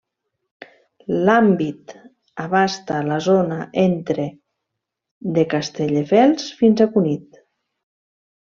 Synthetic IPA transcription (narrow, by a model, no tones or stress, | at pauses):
lambit̪ | aβast̪alazonaʔent̪ɾe | ðekast̪eʎefɛlˠsfinzakunit̪